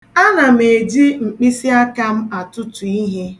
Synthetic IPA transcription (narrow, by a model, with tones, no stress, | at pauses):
a˦na˨m̩˨e˨d͡ʒi˦ŋ͡m̩˨k͡pi˦si˦a˦ka˦m̩˦a˨tʊ˦tu˨i˦ɦe˦